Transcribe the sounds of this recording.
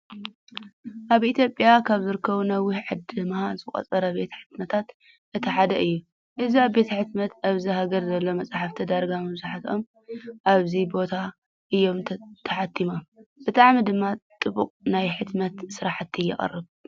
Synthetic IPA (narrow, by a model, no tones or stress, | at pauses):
ʔaβʔit̪ʰjo̞pʼːjakʰaβzɨɾɨkʰːɐβunɐwːiʕɨd̪ɨmazɨχʼɐ̰t͡sʼɐɾɐbe̞t̪ʰɐ̥ħɨ̥t̪mɐt̪ʰat̪ | ʔɨt̪ʰiħad̪ɐʔɨjːu | ʔɨziaβbe̞t̪ʰɐħɨt̪mɐt̪aβziɦaɡɐɾzɐlːo̞mɐt͡sʼaħaft̪ʰɐd̪aɾɡamɐβzuħat̪o̞m | ʔaβzibo̞t̪ʰa | ʔɨjːo̞mʰt̪ʰɐħat̪ʰːimob̥ɨt̪ʼaʕmid̪ɨmːat̪ʼɨbuqʼnajħɨt̪mɐt̪sɨɾaħt̪ʰːijːɪ̰χʼɐ̰rːɨβ